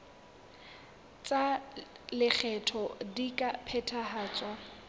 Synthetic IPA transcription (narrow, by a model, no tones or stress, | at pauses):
t͡sʼalɪk͡xʰɛtʰɔdikʼapʰɛtʰaɦaːt͡sʼwa